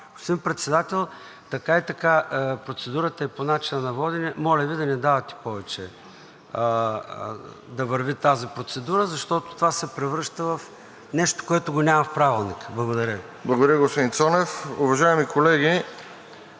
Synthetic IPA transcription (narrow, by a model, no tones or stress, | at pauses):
ɡosimpɾɛt̪sɛd̪at̪ɛlˠ | t̪ɐkait̪ɐkapɾot̪sɛd̪uɾət̪ɐɛponat͡ʃinənɐvɔd̪inɛmɔlʲəvid̪ɐnɛd̪avɐt̪i̥pɔvɛt͡ʃɛ | d̪ɐvɐɾvit̪azipɾot̪sɛd̪uɾəzɐʃt̪ɔt̪o̥t̪ovasɛpɾɛvɾɤʃt̪əvɐf | nɛʃt̪o̥koɛt̪oɡonʲamɐfpɾavilˠnikblˠɐɡod̪ɐɾʲəi | blˠɐɡod̪ɐɾjəɡospod̪ĩnsɔnɛfʊvɐʒaɛmikolɛɡʲi